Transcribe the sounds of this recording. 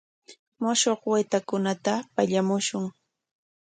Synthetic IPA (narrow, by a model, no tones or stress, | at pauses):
mʊʃoχwajt̪akʊnat̪apaʎamʊʃʊŋ